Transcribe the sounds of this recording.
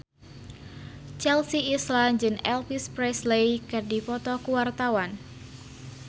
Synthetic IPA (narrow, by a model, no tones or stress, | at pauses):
t͡ʃɛlsiːsland͡ʒɨŋɛlpispɾɛslejkɨrdipɔt̪ɔkuwart̪awan